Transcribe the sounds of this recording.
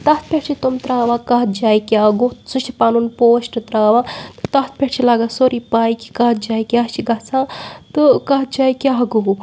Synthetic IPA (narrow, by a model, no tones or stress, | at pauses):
t̪ɐt̪̚pʲeʈt͡ʃʰit̪omt̪ɾaːʋakɐɦ̪d͡ʒaːjikʲaɡosut͡ʃʰipaːnunpoːʃʈɨt̪ɾaːʋaːt̪ɨ̥t̪ɐt̪̚pʲeʈt͡ʃʰilaːɡasoɾipaːjki̥kaːt̪̚d͡ʒaːjkiaːt͡ʃʰiɡɐsãːt̪ɨkɐɦt̪̚d͡ʒaːjkʲaɡoɦu